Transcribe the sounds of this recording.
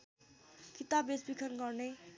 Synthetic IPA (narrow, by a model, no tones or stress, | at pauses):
kit̪abesbikʰʌnɡʌrne